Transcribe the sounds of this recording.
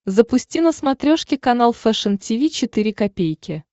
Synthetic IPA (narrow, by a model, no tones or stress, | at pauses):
zəpʊsʲtʲinəsmɐt̪ɾʲoʂkʲɪkɐnalˠfɛʂəntʲivʲit͡ɕɪt̪ɨɾʲɪkɐpʲejkʲɪ